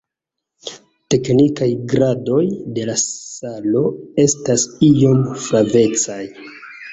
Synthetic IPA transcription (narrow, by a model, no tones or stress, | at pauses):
te̞knikajɡɾado̞jde̞lasalo̞e̞stasio̞mfɾave̞t͡saj